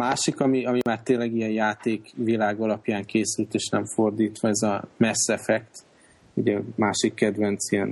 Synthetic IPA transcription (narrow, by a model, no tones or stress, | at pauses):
maːʃikɒmiɒmimaːrt̪eːnlɛɡijɛnjaːt̪eːkvilaːɡɒlɒpjaːŋkeːsylt̪eːʃnɛɱfo̞rd̪iːt̪ʋɒɛzɒmɛsːɛfɛkt̪ | uɟɛmaːʃikːɛd̪ʋɛnt̪sijɛn